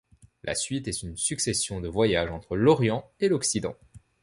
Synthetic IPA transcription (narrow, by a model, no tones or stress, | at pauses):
lʔa̰sɥit̪ɛt̪ynsyksɛsjɔ̃d̪əvwajaʒɑ̃t̪χəlɔʁjɑ̃elɔksid̪ɑ̰̃